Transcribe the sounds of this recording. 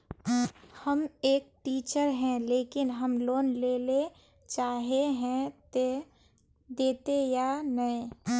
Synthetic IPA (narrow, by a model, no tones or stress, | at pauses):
həmeːk̚ʈiːt͡ʃəɾɦɛ̃leːkɪnɦəmloːnleːle | t͡ʃaːɦeɦɛ̃t̪e | d̪eːt̪ejanəẽ